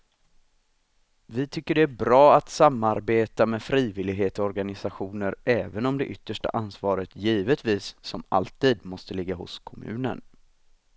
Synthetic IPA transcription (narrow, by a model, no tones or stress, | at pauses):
vɪt̪ʰʏkːəɖɛæbɾɑːat̪samːaɾbeːt̪amɛfɾiːvɪlɪɡɦeːt̪ɔɔɾɡanɪsaɧuːnəɾʔɛːvənɔmd̪ɛʔʏt̪ːəʂʈa̰ʔansvɑːɾət̪jiːvət̪viːsːɔma̰lt̪iːd̪mɔst̪əlɪɡːahʊ̰skʰɔmʉ̟̰ːnə̰n